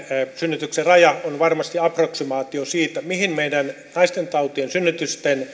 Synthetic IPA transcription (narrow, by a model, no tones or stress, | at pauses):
synːyt̪ykserɑjɑonʋɑrmɑst̪iɑproksimɑːt̪iosiːt̪æmihinmeidæn | nɑist̪ent̪ɑut̪iensynːyt̪yst̪en